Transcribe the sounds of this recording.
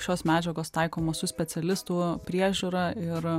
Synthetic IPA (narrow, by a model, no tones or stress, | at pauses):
ʃʲoːsmʲæːd͡ʒʲɛɡoːst̪ɐɪkoːmɐsʊsʲpʲɛt̪sʲɛlʲɪst̪uːpʲɾʲiɛʒʲuːɾɐɪɾ